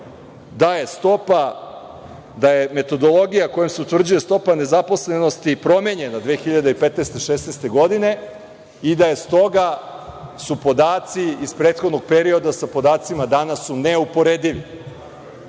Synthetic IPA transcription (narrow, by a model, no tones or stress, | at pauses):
d̪aje̞st̪o̞pa | d̪aje̞me̞t̪o̞d̪o̞lˠo̞ɡijako̞jemse̞ut̪vr̩d͡ʑuje̞st̪o̞pane̞zapo̞sle̞no̞st̪ipɾo̞meɲe̞nad̪ʋeexiʎad̪eipet̪nest̪e̞ʃesnest̪e̞ɡo̞d̪ine̞ | id̪aje̞st̪o̞ɡa | supo̞d̪aːt̪siispɾe̞ːt̪xo̞d̪no̞ɡ̚pe̞ɾio̞d̪asapo̞d̪aːt̪simad̪anasune̞upo̞ɾed̪iʋi